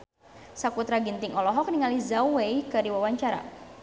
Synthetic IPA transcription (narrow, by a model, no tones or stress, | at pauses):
sakut̪ɾaɡint̪ɪŋɔlɔɦɔk̚niŋalizawejkədiwawaɲt͡ʃaɾa̰